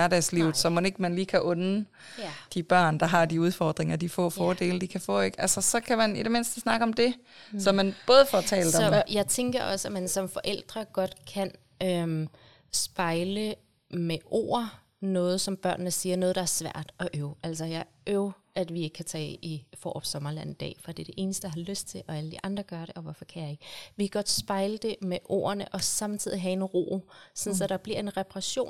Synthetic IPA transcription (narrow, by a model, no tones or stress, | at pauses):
æɐdɛ̰ːsliʊð̩ˠsɒ̽mone̝ɡ̥mænliːkʰæʔɔ̽n | d̥ib̥ɶɐ̰nd̥ɑ̈ɦɑ̈d̥iuð̞ˠfɒ̰ːd̥ʁeŋɐd̥ifɔ̰̽ːfɒːd̥e̝̰ːləd̥ikʰæfɔ̰̽ːe̝ɡ̥ælsɐsɒ̽kʰæmænidɾe̝me̝nsd̥əsnɑ̈ɡ̥əɒ̽md̥e̝sɒ̽mænb̥ɔ̽ːð̞ˠfɒt͡sʰɛ̰ːləd̥ɒjɑ̈ɪt͡sʰeŋɡ̥ɐʔɒ̽səæmænsɒ̽mfɒ̽ʔel̰d̥ʁɐɡ̥ɒ̽d̥kʰæn | ø | sb̥ɑ̈ɪlə | meʔo̰ɐ | nɔ̽ːð̞̩ˠsɒ̽mb̥ɶɐ̰nnəsiːɐnɔ̽ːð̩ˠd̥ɑ̈æɐsʋæɐ̰d̥ɒ̽ʔøʊʔæl̰sɐjɑ̈ɪ | ʔøʊ | ʔæd̥ʋie̝ɡ̥ə̥kʰæt͡sʰɛ̰ːifɒ̰ːɒb̥sɒ̽mɐlæn̰id̥ɛ̰ːfɒd̥ed̥e̝ʔe̝ːnəsd̥ə̥ɑɦɑ̈løsd̥̚t͡sʰe̝lʔɒ̽æləd̥iʔɑ̈nd̥ʁɐɡ̥ɶɐɾe̝ʔɒ̽ʋɒfɒkʰæjɑ̈e̝ɡ̥əʋe̝kɡ̥ɒ̽d̥sb̥ɑ̈ɪləd̥e̝meʔo̝̰ːɐnəʔɒ̽sɑ̈mt͡sʰið̰ˠiɦæe̝nʁo̰ːsɒ̽nsɒ̽ɾ̥ɑ̈b̥liɐ̰e̝nʁɛpʰɑʁɑɕo̝̰ːn